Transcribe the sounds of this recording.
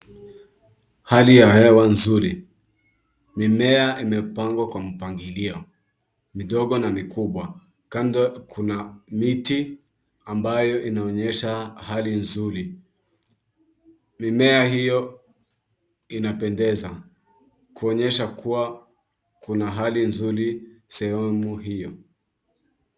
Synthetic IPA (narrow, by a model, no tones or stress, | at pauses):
halijahɛwanzuɾi | mimɛaʔimɛpaŋɡwakwam̩paŋɡiliɔ | miɗɔɠɔnamikuɓwa | kandɔkʰunamiti | ambajɔʔinaɔɲɛʃahalinzuɾi | mimɛahijɔ | inapɛndɛza | kuɔɲɛʃakʰuwa | kunaɦalinzuɾisɛhɛmuɦijɔ